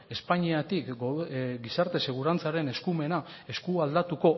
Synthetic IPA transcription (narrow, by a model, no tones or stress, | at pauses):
e̞spaɲiat̪ik | ɡisaɾt̪e̞se̞ɣ̞uɾant͡saɾe̞ne̞skume̞na | e̞skuald̪at̪uko̞